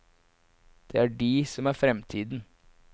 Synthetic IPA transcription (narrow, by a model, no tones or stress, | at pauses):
d̪̥eːæɖiːsɔmæːɾfɾɛmt̪ʰiːd̪n̩